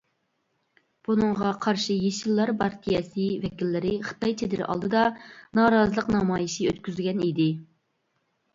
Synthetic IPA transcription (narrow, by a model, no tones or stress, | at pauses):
b̥unɨŋʁɑqʰɑɾʃijeʃilˠːɑɾbɑɾt̪ʰijɛsɪvɛkʲilːɪɾɪχə̥t̪ɑjt͡ʃʰed̪ɪɾʔɑ̰lˠd̪ɨd̪ɑnɑːɾɑzəlˠəqnɑmɑːjiʃiøt̪̚kʲyzɡʲɛnid̪ɪ